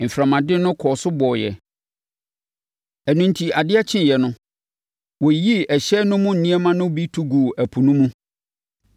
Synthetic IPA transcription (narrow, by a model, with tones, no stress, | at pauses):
m̩˨fɾã˨mã˨dɪ̃˦nʊ̃˦kʰɔː˨sʊ˦bɔː˨jɛ̰˨ | æ˨nũ˨n̩˨tʰi˨a˨dɪ˦ɛ˦t͡ɕʰɪ̃˦jɛ˨nʊ̃˦ | wo˨ji˦ɛ˨ɕɛ˦nʊ̃˦mʊ̃˦n̩˨nĩ˦ɛ˦mã˦nʊ̃˦bi˦tʰu˦ɡu˨æ˨pʰu˨nũ˦mũ˦